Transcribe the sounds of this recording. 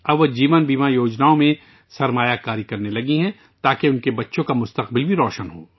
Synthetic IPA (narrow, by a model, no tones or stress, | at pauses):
ɐbʋod͡ʒiːʋənbiːmajoːd͡ʒnaːõmẽ | sɐɾmaːjakaːɾikɐɾnelɐɡiɦɛ̃ | t̪aːkeʊnkebɐtːʃõkamʊst̪ɐqbɪlbʱiɾɔːʃənɦoː